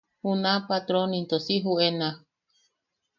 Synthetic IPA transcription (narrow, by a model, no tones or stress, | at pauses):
hunapat̪ɾonint̪osiɦuena